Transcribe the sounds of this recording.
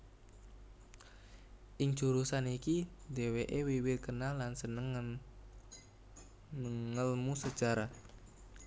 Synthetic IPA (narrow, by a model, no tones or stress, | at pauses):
ʔɪŋd͡ʒuɾusanikideweʔewiwɪt̪̚kənalːansənəŋ | əŋːəlmusəd̥d͡ʒ̥a̤ɾa